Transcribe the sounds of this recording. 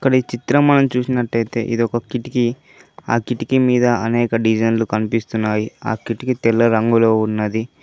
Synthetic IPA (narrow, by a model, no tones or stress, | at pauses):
ɐkːɐɽit͡ʃit̪ɾɐmːɐnɐmt͡ʃuːsinɐʈːɐjt̪e̞̰ːʔḭd̪iɔkɐkiʈiki | aːkiʈikimiːd̪ɐɐnɛːkɐɖid͡ʒɐnlukɐnipist̪unːaːjia̰ːkiʈikit̪ɛlːɐɾɐŋɡulo̞ːunːɐd̪i